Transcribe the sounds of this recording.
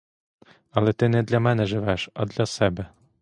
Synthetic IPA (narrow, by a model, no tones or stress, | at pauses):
ɑlˠɛt̪ɘnɛd̪lʲamɛnɛʒɘʋɛʃɑ̰d̪lʲasɛbɘ